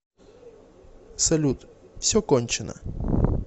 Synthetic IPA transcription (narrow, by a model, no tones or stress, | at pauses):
sɐlʲut̪fsʲɔkɔnʲt͡ʃɪnə̰